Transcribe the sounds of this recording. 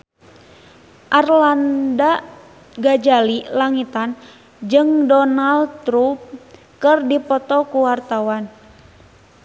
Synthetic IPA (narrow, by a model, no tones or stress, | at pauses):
ʔarlanda | ɡad͡ʒalilaŋit̪an | d͡ʒɨŋdɔnaldt̪ɾup̚ | kɨrdipɔt̪ɔkuwart̪awan